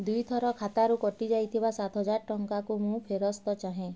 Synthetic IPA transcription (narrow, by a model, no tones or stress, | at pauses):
d̪ujt̪ʰɔɾɔkʰat̪aɾukɔʈid͡ʒajt̪ʰibasat̪ɦɔd͡ʒaɾʈɔŋkakumũpʰeɾɔst̪ɔt͡ʃaɦẽ